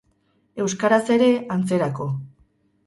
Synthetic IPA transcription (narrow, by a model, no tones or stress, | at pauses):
e̞wskaɾase̞ɾe̞ant͡se̞ɾako̞